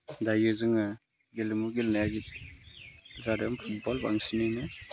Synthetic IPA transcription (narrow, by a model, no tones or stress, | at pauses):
dajɯzɯŋɯ | ɡelɯmuɡelnajaɡit̚ | zaɾɔmpʰut̚bɔlbaŋsinɯnɯ